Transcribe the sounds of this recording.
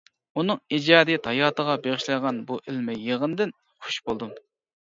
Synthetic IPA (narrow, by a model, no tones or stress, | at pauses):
unɨŋid͡ʒɑːd̪ɨt̪ʰɑjɑːt̪ʰəʁɑbeʁɪʃlɨʁɑnbuʔɪlmɪjeʁənd̪ɪn | χo̥ʃbolˠd̪um